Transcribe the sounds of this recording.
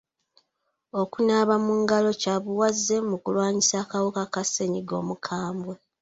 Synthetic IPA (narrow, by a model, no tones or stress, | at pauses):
o̞kunaβamuŋɡalo̞caːβuwazːe̞mukulwaːɲisaːkawukakase̞ɲiɡo̞̰ːmukʰaːmbwe